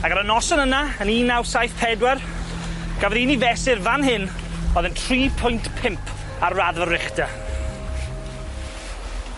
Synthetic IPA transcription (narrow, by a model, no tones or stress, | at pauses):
aɡaɾənɔsənənaəniːnawsajθpʰɛdwɛr | ɡ̥avəðinivɛsɪrvanɦɪn | ɔːðəntʰriːpʰʊjntpʰɪmpʰ | arːaðvərɪχda